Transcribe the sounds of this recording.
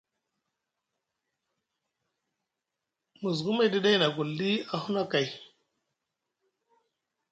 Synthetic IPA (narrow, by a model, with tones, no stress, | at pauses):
mu˨zɡu˦ma˦˨jdi˦da˦jna˨ɡu˨lːi˦a˨hu˦na˦ka˨j